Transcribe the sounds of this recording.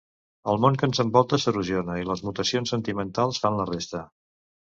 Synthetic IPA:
əlˠmoŋkənzəmbɔlˠt̪əsəruzionəiləzmut̪əsionsənt̪imənt̪alˠsfanlərest̪ə

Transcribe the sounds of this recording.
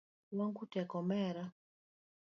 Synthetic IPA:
waŋɡutɛkɔmɛɾa

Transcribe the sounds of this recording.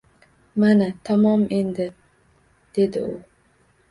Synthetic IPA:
manat̪ʰamɒmʔend̪ɪ | d̪̥e̞d̪ɪ̰ʊ

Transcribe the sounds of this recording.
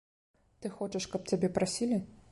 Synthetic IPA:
t̪ɨxɔt͡ʃɐʂkɐp̚t͡sʲabʲɛpɾʔasʲilʲi

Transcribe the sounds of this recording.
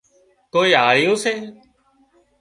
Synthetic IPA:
koːiːɦaːɾɪjũːseː

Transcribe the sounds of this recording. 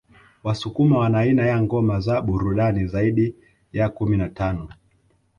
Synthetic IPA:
wasukumawanainajaŋɡɔmazaɓuɾuɗanizaiɗi | jakuminatanɔ

